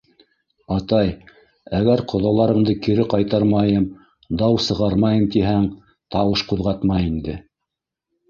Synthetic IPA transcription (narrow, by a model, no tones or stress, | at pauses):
ɑt̪ɑj | æɡæɾqʰŏðɑlˠɑɾɤ̆ɴd̪ɤkiɾɘqɑjt̪ɑɾmɑjɤm | d̪ɑwsɤ̆ʁɑɾmɑjɤmt̪iɦæŋ | t̪ɑwɤʃquðʁɑt̪mɑjind̪ɘ